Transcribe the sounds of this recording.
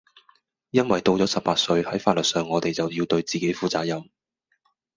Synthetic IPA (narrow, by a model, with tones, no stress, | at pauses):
jɐ˥nwɐ˨jt̪o˧wt͡sɔː˨˥sɐ˨p̚paː˧t̚sɵ˧ɥhɐ˨˥jfaː˧t̚lɵ˨t̚sœː˨ŋːɔː˨˧t̪e˨˩jt͡sɐ˨wjiː˧wt̪ɵ˧ɥt͡siː˨ke˨˥jfuː˨t͡saː˧k̚jɐ˨˩m